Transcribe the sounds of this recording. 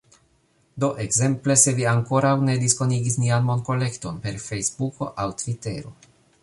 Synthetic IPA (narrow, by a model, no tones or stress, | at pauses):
d̪o̞ʔe̞ɡze̞mple̞se̞viaŋko̞ɾawne̞d̪ispo̞niɡisnianmo̞nko̞le̞kt̪o̞npe̞ɾfe̞jzbuko̞̰ʔawt̪vite̞ɾo̞̰